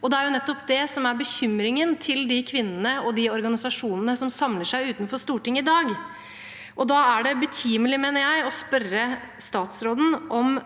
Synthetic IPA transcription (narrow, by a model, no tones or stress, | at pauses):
ɔd̪ɛæɾjʊnɛt̪ːɔpd̪ɛsɔmæɾbəçʏmɾɪŋənt̪ʰɪld̪ɪkʰʋɪnːənəɔd̪ɪɔɾɡɑnɪsɑʂuːnənəsɔmsɑmləʂæɪʉːt̪nfɔʂt̪uːʈɪŋːɪd̪ɑːɡ | ʔɔd̪ɑæɖɛbət̪ʰiːməlɪmeːnəɾjæɪɔspœrə | st̪ɑːt̪sɾoːd̪n̩ʔɔm